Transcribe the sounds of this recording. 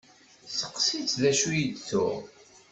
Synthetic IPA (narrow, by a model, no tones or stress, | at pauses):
sə̥qːsit͡sðæʃujid̪t͡sʊ̰ʁ